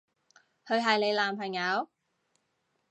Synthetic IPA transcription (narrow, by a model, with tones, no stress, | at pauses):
hʰɵ˨˧ɥɦɐ˨jle˨˧jlaː˨mpʰɐ˨˩ŋjɐ˨˧˥w